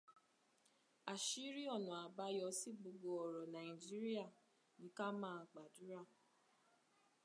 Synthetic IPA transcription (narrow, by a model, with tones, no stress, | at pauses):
a˨ʃi˦ɾi˦ɔ˦˨nũ˨a˨ba˧˦jɔ˧˦si˦ɡ͡bo˧ɡo˧ɔ˨ɾɔ˨nã˨ĩ˨d͡ʒi˦ɾi˦a˦˨ | nĩ˨˦ka˦mãː˦˨k͡pa˨du˨˦ɾa˦˨